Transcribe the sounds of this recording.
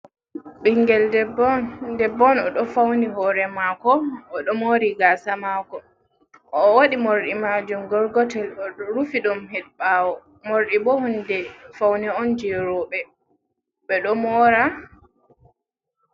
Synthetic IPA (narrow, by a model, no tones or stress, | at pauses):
ɓiŋɡɛldɛbɔndɛbːɔnɔɗɔfawnihɔɾɛmakɔɔɗɔmoɾiɡasamakɔː | waɗimoɾɗimad͡ʒumɡɔɾɡɔtɛlɔɾufiɗɔmhɛɗɓawɔ | moɾɗibɔhundɛfawniɔnd͡ʒɛɾɔɓɛ | ɓɛɗɔmɔɾa